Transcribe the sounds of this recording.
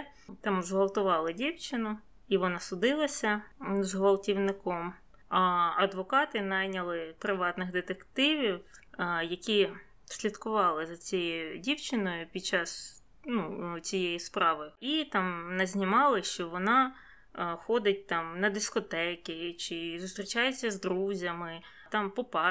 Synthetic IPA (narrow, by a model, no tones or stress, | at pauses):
t̪ɑmzɦɔlˠt̪ʊʋɑlˠɪdʲiwt͡ʃɪnʊ | iʋɔnɑsʊd̪ɪlˠɐsʲɐzɦʋɐlˠtʲiwnɪkɔm | ɐɐd̪ʋɔkɑt̪ɪnɑjnʲɐlˠɪpɾɪʋɑt̪nɪɣd̪ɪt̪ekt̪ɪʋʲiwjɐkʲi | sʲlʲit̪kʊʋɑlˠɪzɐt͡sʲɛjiʊdʲiwt͡ʃɪnɔjʊpʲid̪̚t͡ʃɑs | nut͡sʲijejispɾɑʋɪʊit̪ɑmnɐzʲnʲimɑlˠɪʃt͡ʃɔʋɔnɑ | xɔd̪ɪt̚ʲt̪ɑmnɐd̪ɪskɔt̪ɛkʲɪt͡ʃɪzʊst̪ɾʲit͡ʃɑjʊt͡sʲːɐzd̪ɾuzʲɐmɪ | t̪ɑmpɔpɑ